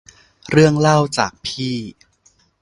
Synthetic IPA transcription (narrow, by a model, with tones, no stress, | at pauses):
ɾɯ˥˩əŋla˥˩wt͡ɕaː˨˩k̚pʰiː˥˩